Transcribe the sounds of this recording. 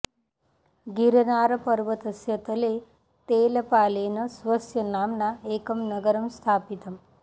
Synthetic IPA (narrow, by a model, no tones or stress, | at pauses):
ɡiɾnaːɾɐpəɾʋət̪əsjɐt̪əle | t̪eːlɐpaːleːnɐsʋɐsjɐnaːmnaeːkɐmnɐɡəɾəmst̪ʰaːpit̪ɐm